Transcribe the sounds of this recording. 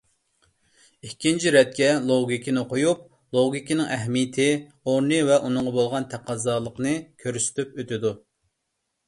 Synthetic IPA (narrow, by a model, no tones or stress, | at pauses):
ikʲʰːint͡ʃʰiɾɛt̪̚kʲʰɛlˠoɡʲikʲinɨqʰojup̚ | lˠoɡʲikʲinɪŋɛɦmijɪt̪ʰɪ | oɾnɨvɛʔunɨŋʁɑbolˠʁɑnt̪ʰæqɑzɑːlˠəqnɨkʲʰøɾysɪ̥t̪ypøt̪ɪd̪u